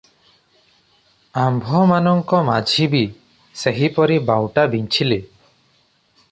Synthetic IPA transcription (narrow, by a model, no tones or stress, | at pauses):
ambʱɔmanɔŋkɔmad͡ʒʱibi | seɦipɔɾibawʈabiɲt͡ʃʰile